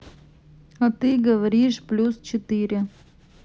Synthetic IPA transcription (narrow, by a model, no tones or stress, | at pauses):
at̪ɨɡəvɐɾʲiʂplʲust͡ɕɪt̪ɨɾʲɪ